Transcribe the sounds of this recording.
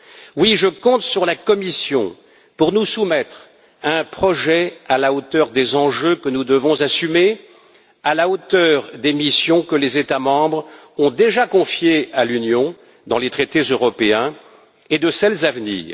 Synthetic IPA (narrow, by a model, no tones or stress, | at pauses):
wiʒəkɔ̃t̪syʁlakɔmisjɔ̰̃ | puʁnusumɛt̪χ | aɛ̃pχɔʒɛalaot̪œʁd̪ezɑ̃ʒøkənud̪əvɔ̃zasyme | alaot̪œʁd̪emisjɔ̃kəlezet̪amɑ̃bʁ | ɔ̃d̪eʒakɔ̃fjealynjɔ̃ | d̪ɑ̃let̪χet̪ezøʁɔpeɛ̃ | ed̪əsɛlzavnḭːʁ